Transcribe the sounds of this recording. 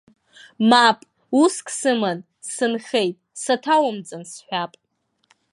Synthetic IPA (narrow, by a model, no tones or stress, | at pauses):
mapʼ | uskʼʰsɨman | sɨnχejtʼsatʰawamd͡zʼansħʷᶣapʼ